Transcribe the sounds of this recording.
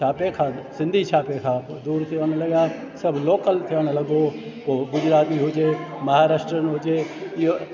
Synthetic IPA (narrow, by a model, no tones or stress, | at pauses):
aːpekʰãːsɪ̃nd̪ʱit͡ʃʰaːpekʰãd̪uːɾt̪ʰɪəñlɐɡaː | sɐbloːkəlt̪ʰɪəɽ̃lɐɡoːoɡʊd͡ʒɾaːt̪iɦʊd͡ʒeːmɐɦaːɾaːʃʈɾənɦʊd͡ʒeːɪo